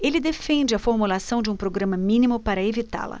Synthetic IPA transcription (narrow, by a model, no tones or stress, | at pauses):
elɪd̪efẽnd͡ʒɪɐfoɾmulasɐ̃w̃d͡ʒɪũpɾoɡɾɐ̃mɐmĩnimʊpaɾɐevit̪a̰lɐ̰